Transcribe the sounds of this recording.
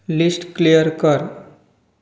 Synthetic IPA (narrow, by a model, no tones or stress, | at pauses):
lisʈklijəɾkəɾ